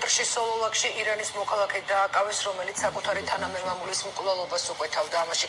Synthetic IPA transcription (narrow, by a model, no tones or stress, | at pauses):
t̪ʼɾʃisɔlˠɔlˠakʃiʔiɾanismɔkʰalˠakʰɛd̪aːkʼavɛsɾɔmɛlit̪ssakʼut̪ʰaɾit̪ʰanamɛvamulismkʼvlɛlˠɔbasukʼwɛt̪ʰavd̪aːmaʃi